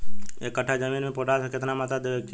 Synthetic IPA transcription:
eːkːəʈʰːad͡ʒəmiːnmẽpoːʈat̪ʰakɪt̪namaːt̪ad̪ee

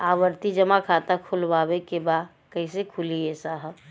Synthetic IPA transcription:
aʋəɾt̪id͡ʒəmakʰat̪akʰulbabekeba | kəɦĩsekʰuliesaɦə

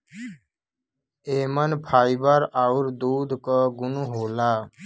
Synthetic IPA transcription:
eːmənpʰaːjbəɾawɾd̪uːd̪ʱkəɡʊnuɦoːlaː

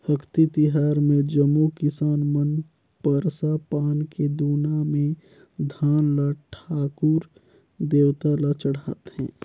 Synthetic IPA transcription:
həkʰt̪it̪iɦaːɾmẽd͡ʒəmːukɪsaːnmən | pəɾsapaːnked̪uːnamẽ | d̪ʱaːnlaʈʰaːkuɾ | d̪eːwt̪alat͡ʃəɽ̤aːt̪hɛ̰̃ː

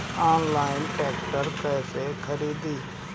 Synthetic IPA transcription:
ãːnlaːɪnʈɛːkʈəɾpɛːsekʰəɾiːd̪iː

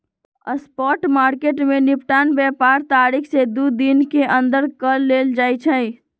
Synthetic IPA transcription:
ə̰spɔʈmaɾkeʈmenipʈanbɛpaɾt̪aɾikʰsed̪ud̪inkeʔə̃nd̪əɾkəlːeld͡ʒaːjt͡ʃʰə̃j

